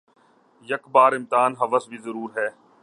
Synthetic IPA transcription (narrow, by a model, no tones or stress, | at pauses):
jɐkbaːɾɪmt̪ɪaːnɦɐʋəsbʱizəɾuːɾɦɛː